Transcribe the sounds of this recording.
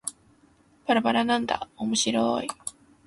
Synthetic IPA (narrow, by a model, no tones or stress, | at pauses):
paɾapaɾanãnd̪a̰omoɕiɾo̰i